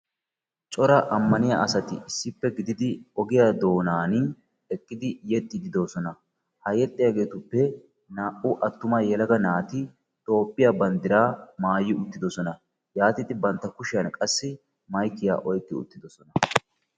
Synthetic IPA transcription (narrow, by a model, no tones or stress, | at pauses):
t͡ʃʼɔɾɐʔɐmːɐnɪjaʔɐsɐt̪ɪɪsːɪpːɛɡɪd̪ɪd̪ɪɔɡɪjad̪o̞ːnaːn | ɛkʼːɪd̪ɪjɛt̪ʼːɪd̪ɪd̪o̞ːsɔnɐ | hɐjɛt̪ʼːɪjaɡe̞ːt̪ʊpːɛ | naːʔʊʔɐt̪ːʊmɐjɛlɐɡɐnaːt̪ɪ | t̪ʼo̞ːpʼːɪjabɐnd̪ɪɾaːmaːjːɪʊt̪ːɪd̪ɔsɔnɐ | jaːt̪ɪt̪ɪbɐnt̪ːɐkʊʃɪjɐnkʼɐsːɪ | mɐjkːɪja̰ːʔɔjkʼːɪʊ̰t̪ːɪd̪ɔsɔnɐ